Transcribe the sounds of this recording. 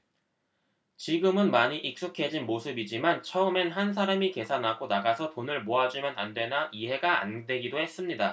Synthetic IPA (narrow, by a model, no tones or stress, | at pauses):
t͡ɕiɡɯmɯnmaɲiʔik̚s͈ukʰe̞d͡ʑinmosʰɯbid͡ʑimant͡ɕʰʌɯme̞nɦans̬ʰaɾamike̞sʰanɦaɡonaɡasʰʌtonɯɭmoad͡ʑumjʌna̰ndwe̞naiɦe̞ɡaa̰ndwe̞ɡidohe̞s͈ɯmɲida